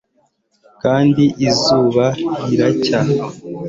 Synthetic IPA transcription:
kaːndiʔizuːβaɾiɾaca

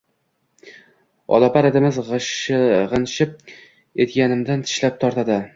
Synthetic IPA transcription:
ɒ̰lˠapaɾed̪ɪmɪzʁʃʁɨnʃɪp̚ | et̪ɡʲanɪmd̪ant̪ʰɪ̥ʃlap̚t̪ʰɒɾt̪ʰad̪ɪ

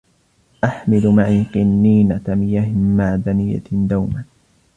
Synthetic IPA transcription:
ʔaħmɪlʊmaʕiːqɨnːiːnat̪amɪjaːhɪmaʕd̪anɪjːa̰d̪awma

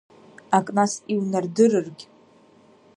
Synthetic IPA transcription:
akʼnasiwnardɨrɨrɡʲ

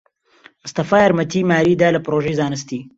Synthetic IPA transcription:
mʊst̪ɐfaːjaɾmɐt̪ʰiːmaːɾiːd̪aːlɐpɾoːʒezaːnɨst̪iː

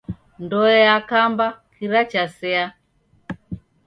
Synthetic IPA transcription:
ndɔɛakambakʰiɾat͡ʃasɛa

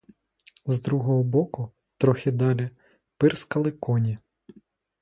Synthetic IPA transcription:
zd̪ɾuɦɔɦɔbɔkʊ | t̪ɾɔxʲɪd̪ɑlʲi | pɪrskɐlˠɪkɔnʲi

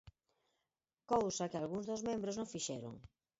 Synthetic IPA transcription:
kowsɐkɪalɣuŋzðozmẽmbɾoznõŋfiʃɛ̰ɾo̰ŋ

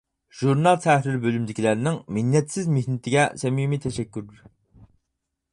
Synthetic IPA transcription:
ʒ̥uɾnɑlˠt̪ʰɛɾɪɾbølymd̪ɪkʲʰilæɾnɪŋmɪnːɛt̪sɪzmehnɪt̪ʰɪɡʲɛsɛmimit̪ʰɛʃɛkʲːyɾd̪ɪɾ

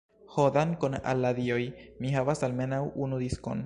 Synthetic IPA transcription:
hod̪ankona̰lːad̪iojmiɦavasalme̞nawunud̪isko̞̰n

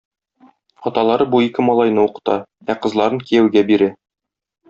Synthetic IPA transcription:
ɒt̪ɑlˠɑɾɤbuikɘmɒlˠɑjnɤuqɤ̥̆t̪ɑ | æqɤ̆zl̪ˠɑɾɤŋkijæwɡæbiɾɘ

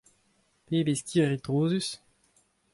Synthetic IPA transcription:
peːbeskʲʰiːʁit̪ʁoːzys

